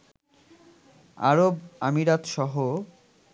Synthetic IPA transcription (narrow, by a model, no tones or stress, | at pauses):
a̰ɾobamiɾat̪ʃɔɦo